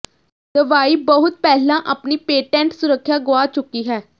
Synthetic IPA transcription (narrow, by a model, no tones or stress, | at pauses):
d̪əʋaːiːbəɦʊt̪̚pɛːlãːʔaːpniːpeːʈɛ̃ːɳʈsʊɾəkʰːjaːɡʊaːt͡ʃʊkːiːɦɛː